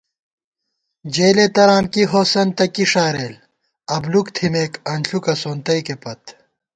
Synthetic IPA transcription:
d͡ʑeːlet̪ɐɾaːnkiɦoːsɐnt̪ɐkiʂaːɾeːl | ɐblukt̪ʰimeːkɐnɬukɐsoːnt̪ɐikepɐt̪

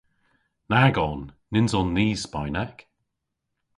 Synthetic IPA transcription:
naɡɔnː | ɪnzɔnːiːz̥spaɪnak

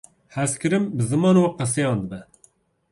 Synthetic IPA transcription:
hɛskɨɾɨmbɨzɨmɑːnowqəs̬ejɑ̃ːnd̪ɨbɛ

